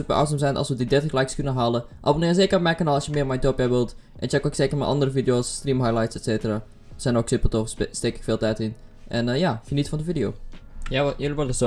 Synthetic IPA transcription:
t̚mə̰ʔa̰wtsəmsɛnʔɑ̰lˠsʋədidɛtəxlajkskønəɦaːləʔa̰bonɪːəseːkərmɛkənɔlˠɔsjəmɪːrmɛjtopɛʋəlˠt | ʔɛnt͡ʃɛkoksekərmɛ̰ʔɑ̰ndərəfidijoːsːtrimɦajlajtsɛtseːtəra | sɛnoksɪpəlˠtoxstekɪ̥kfɪːlˠtɛtɪn | ʔɛnjaːfjənitfɔndəfidijoːjajøliʋɔdəs

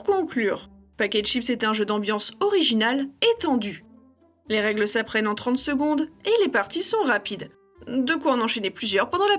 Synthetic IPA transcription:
kɔ̃klyːʁ | pakʲɛd̪ʃipsɛt̪ɛ̃ʒød̪ɑ̃bjɑ̃sɔʁiʒinalet̪ɑ̃d̪y | leʁɛɡləsapχɛnɑ̃t̪χɑ̃t̪səɡɔ̃d̪elepaʁt̪isɔ̃ʁapid̪ | d̪əkwaɔ̃nɑ̃ʃeneplyzjœʁpɑ̃d̪ɑ̃la

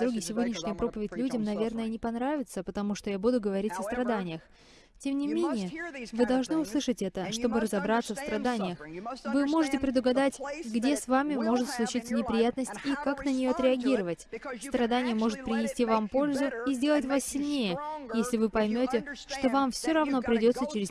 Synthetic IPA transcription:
d̪ɾuɡʲisʲɪvo̞dʲnʲɪʂnʲɪjəpɾo̞pəvʲɪtʲlʲudʲɪmnɐvʲe̞rnəjənʲɪpɐnɾavʲɪt̪səpət̪ɐmuʂt̪ojabud̪ʊɡəvɐɾʲitʲɐst̪ɾɐd̪anʲɪjəx | tʲe̞mnʲɪmʲenʲɪjəvɨd̪ɐlˠʐnɨʊslˠɨʂətʲɛt̪əʂt̪o̞bɨɾəzɐbɾat̪səfst̪ɾɐd̪anʲɪjəxvɨmo̞ʐɨtʲɪpɾʲɪd̪ʊɡɐd̪atʲɡdʲe̞svamʲɪmo̞ʐɨt̪slˠʊt͡ɕit̪sːənʲɪpɾʲɪjat̪nəsʲtʲikaknənʲɪjoɐt̪ɾʲɪɐɡʲiɾəvətʲst̪ɾɐd̪anʲɪjəmo̞ʐɨt̪̚pɾʲɪnʲɪsʲtʲivampo̞lʲzʊizʲdʲe̞lˠətʲvasːʲɪlʲnʲejəjesʲlʲɪvɨpɐjmʲo̞tʲɪʂt̪o̞vamfsʲoɾɐvno̞pɾʲɪdʲo̞t̪sət͡ɕɪɾʲɪz

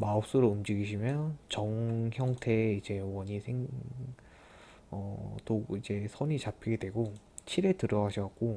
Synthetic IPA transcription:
maʌp̚s͈uɾoumd͡ʑiɡiɕʰimjʌnt͡ɕʌŋçjʌŋtʰe̞id͡ʑe̞wʌɲisʰeŋ | ʌtoid͡ʑe̞sʰʌɲit͡ɕapʰiɡedwe̞ɡo | t͡ɕʰiɾe̞tɯɾʌɡaɕʰʌk͈o

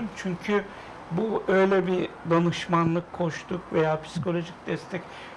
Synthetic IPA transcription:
ɯmt͡ʃʰyɲcʰy | buø̞jlʲɛbid̪anɯʃmanlˠɯkʰːo̞ʃt̪ʰukvejaːpʰi̥si̥kʰo̞lʲo̞ʒic̚d̪ɛst̪ʰɛc

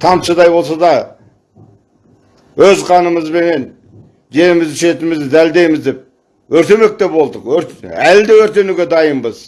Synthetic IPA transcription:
t̪ʰɑmt̪ʃəd̪ɑjbo̞lˠs̬ɑd̪ɑ | wɵzqʰɑnəməzbe̞ne̞n | ʒe̞ɾɪmɪzd̪ɪʃe̞t̪ɪmɪzd̪ɪd̪æld̪e̞jmɪzd̪e̞p̚ | wɵɾt̪e̞me̞k̚t̪e̞pwo̞lˠd̪əqwɵɾæld̪ewɵɾt̪e̞nuɡʲe̞d̪ɑjəmbəz

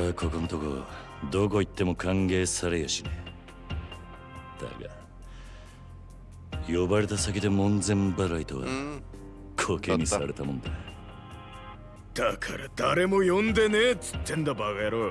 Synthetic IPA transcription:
akʰo̞konot̪o̞ko̞̰ | d̪o̞ko̞it̪ːe̞mo̞kʰãŋɡe̞ːsaɾe̞jaɕine | d̪̥a̰ɡa̰ | jo̞baɾe̞t̪asakʲid̪e̞mõ̞nd͡zẽ̞mbaɾait̪oβa̰ | kʰo̞ːkeɲ̟ːisaɾe̞t̪amõ̞nd̪ana | d̪̥akʰaɾad̪̥aɾe̞mo̞jõnd̪e̞net͡sɨ̥t̪ːẽnd̪abaɡajaɾoː

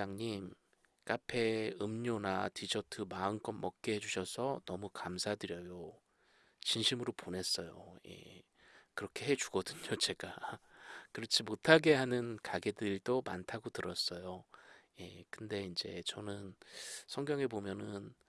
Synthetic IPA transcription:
aŋɲim | k͈apʰe̞ɯmɲonatid͡ʑʌtʰɯmaɯnk͈ʌnmʌk̚k͈eɦed͡ʑuɕʰʌsʰʌnʌmukamsʰadɯɾjʌjo | t͡ɕinɕʰimɯɾopone̞s͈ʌjo̰je̞̰ | kɯɾʌkʰe̞ɦe̞d͡ʑuɡ̥ʌdɯɲot͡ɕe̞ɡ̥a | kɯɾʌt͡ɕʰimotʰaɡe̞ɦanɯnkaɡe̞dɯɭdomantʰaɡotɯɾʌs͈ʌjoje̞kɯnde̞ind͡ʑe̞t͡ɕʌnɯnsʰʌŋɡjʌŋe̞bomjʌnɯn

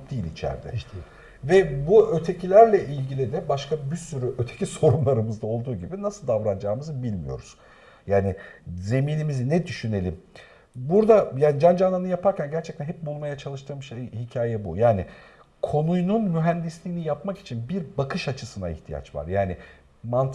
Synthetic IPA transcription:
d̪iːlʲit͡ʃʰæ̰ɾd̪ɛ̰ | vɛbuø̞t̪ʰe̞cʰilʲæɾlʲɛʔilʲɟilʲid̪ɛbaʃkabisyɾyʔø̞t̪ʰe̞ciso̞ɾumlˠaɾɯmɯzd̪ao̞lˠd̪uːɟibinasɯlˠd̪avɾand͡ʒaːmɯzbilʲmijo̞̰ɾuz̥ | jaːnɪze̞miːnimizinɛd̪yʃyne̞lʲim | buɾd̪ajaːnd͡ʒand͡ʒananɯjapʰaɾcʰænɟæɾt͡ʃʰɛc̚t̪ænɦɛp̚bulˠmajat͡ʃʰalˠɯʃt̪ʰɯɾmɯʃejhicʰaːjɛbṵjaːni | kʰo̞nujnunmyɦænd̪islʲiːnijapmaki̥t͡ʃʰinbiɾbakɯʃat͡ʃʰɯsɯna̰ḭçt̪ʰija̰t͡ʃva̰ɾjaːnɪ | mant̪ʰ

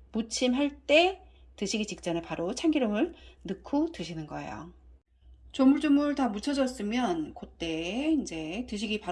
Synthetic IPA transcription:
mut͡ɕʰimɦaɭt͈e̞ | tɯɕʰiɡit͡ɕik̚t͡ɕ͈ʌnɯpaɾʔot͡ɕʰaŋɡiɾomɯɭnɯkʰotɯɕʰinɯnɡʌḛjo̰ | t͡ɕomuɭt͡ɕ͈omɯɭtamut͡ɕʰʌd͡ʑʌs͈ɯmjʌnkot͈e̞ind͡ʑe̞tɯɕ̬ʰiɡipa

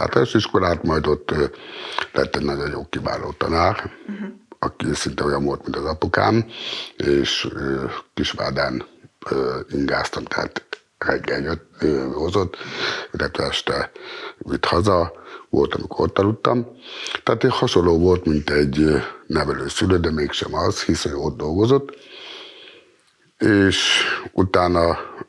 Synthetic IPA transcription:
t̪a̰ːt̪oʃiʃkolaːt̪mɒjd̪ot̪ː | lɛ̰t̪ːɛnɒɟonjo̰ːkkːiba̰ːlːo̰ːt̪ɒ̰naːr | ɒkisint̪ɛojɒɱʋolt̪mint̪ɒzɒpoka̰ːm | eːʃ | kiʃʋa̰ːd̪aːnː | iŋɡaːst̪ɒmt̪ɛ̰ha̰t̪ | rɛɡːɛljøt̪hozot̪ːilːɛt̪ʋɛ̰ɛʃt̪ɛʋit̪hɒzɒʋo̰lt̪ɒmikoot̪ːɒlut̪ːɒmt̪aːt̪ehɒʃolːoːʋolt̪mint̪ɛɟnɛʋɛløːsyløːd̪ɛmeːkʃɛ̰mɒzhisoɲoːd̪̚d̪o̞lɡozot̪ː | eːʃut̪aːnɒ

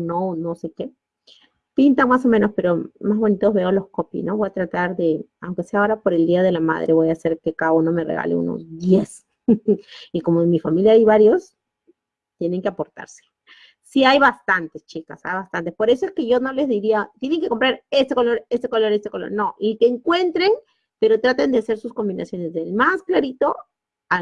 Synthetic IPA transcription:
nonose̞ke̞ | pint̪aŋmaso̞mẽ̞no̞spe̞ɾo̞mazβo̞nit̪o̞zβe̞olo̞sko̞pḭsno̞βo̞jat̪ɾat̪aɾðe̞awŋke̞se̞ao̞ɾapo̞ɾe̞ld̪iaðe̞lama̰ð̞ɾʔe̞βo̞jase̞ɾke̞kaðauno̞me̞rḛɣa̰leṵno̰sd̪jes | iko̞momifamiljaajβaɾjo̞s | t̪jene̞ŋkeapo̞ɾt̪a̰ɾse̥ | siajβast̪ant̪est͡ʃikasa̰jβast̪ant̪espo̞ɾe̞so̞eske̞ʝo̞no̞le̞zðiɾiat̪je̞ne̞ŋke̞ko̞mpɾaɾesekolo̞ɾe̞sekolo̞ɾest̪ekolo̰ɾno̞ʔik̪eːŋkwe̞nt̪ɾeŋ | pe̞ɾo̞t̪ɾat̪end̪ease̞ɾsusko̞mbinasjo̞ne̞zðe̞lmasklaɾit̪o̞ | a

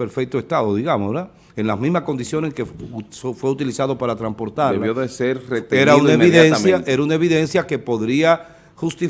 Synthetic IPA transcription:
peɾfe̞k̚t̪oe̞st̪aðoðiɣamosɾa | eŋlasmĩzmako̞nd̪isjo̞neskefwe̞ut̪ilisaðo̞paɾat̪ɾampo̞ɾt̪aɾeloðeseɾret̪eeɾaunnaemβiðensmjaʔeɾaunae̞βiðe̞nsjake̞poðɾia | xust̪i

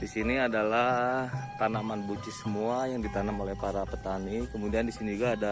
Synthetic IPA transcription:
disiniadalat̪anamanbut͡ʃisəmuajaŋdit̪anamolɛhpaɾapət̪anikəmudiandisinid͡ʒuɡaːda

